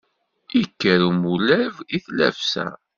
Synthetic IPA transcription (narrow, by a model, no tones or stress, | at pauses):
ikːəɾumulæviθlæ̰fsæ̰